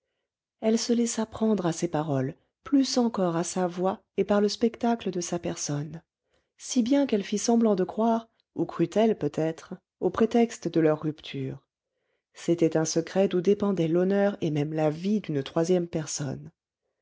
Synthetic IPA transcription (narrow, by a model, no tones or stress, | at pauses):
ɛlsəlɛsapχɑ̃d̪ʁasepaʁɔl | plysɑ̃kɔʁasavwa | epaʁləspɛkt̪akləd̪əsapɛʁsɔn | sibjɛ̃kɛlfisɑ̃blɑ̃d̪əkχwaʁ | ukχyt̪ɛlpøt̪ɛt̪χ | opχet̪ɛkst̪əd̪əlœʁːypt̪ʰyːʁ | set̪ɛt̪ɛ̃səkχɛd̪ud̪epɑ̃d̪ɛlɔnœʁemɛmlavid̪ynt̪χwazjɛmpɛʁsɔ̰n